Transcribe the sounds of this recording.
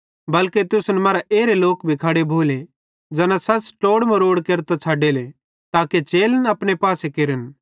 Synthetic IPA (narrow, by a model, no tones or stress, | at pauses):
bɐlket̪ʊsʊnmɐːɾaʔeːɾeloːkbʱikʰaɽebʱoːle | d͡ʒɐnasɐsʈoːɽmɐ̃ɾoːɽkeːɾt̪at͡sʰaːɖele | t̪aːket͡ʃeːlnɐpñepaːsekeːɾən